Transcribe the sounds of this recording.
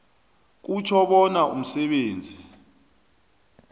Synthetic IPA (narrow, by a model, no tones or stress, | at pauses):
k̬ut͡ʃʰɔɓɔnaʔum̩sɛɓeːnd͡zʱi